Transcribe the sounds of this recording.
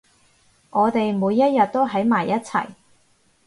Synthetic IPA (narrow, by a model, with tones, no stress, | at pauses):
ʔɔː˨˧t̪e˨jmuː˨˧jːɐ˥t̚jɐ˨t̚t̪o˥wɦɐ˨˥jmaː˨˩jːɐ˥t̚t͡sʰɐ̰˨˩j